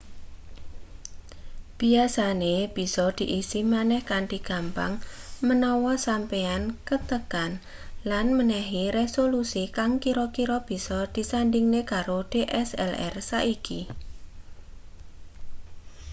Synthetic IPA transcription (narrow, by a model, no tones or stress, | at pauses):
b̥i̤asaneb̥i̤sɔd̪̥i̤ʔisimanɛhkaɳʈiɡ̥ampa̰ŋmənɔwɔsampeankət̪əkan | lanmənɛɦiɾesolusikaŋkiɾɔkiɾɔb̥i̤sɔd̪̥i̤sanɖiŋnekaɾoɖ̥eʔɛsɛ̰lɛ̰rsaʔiki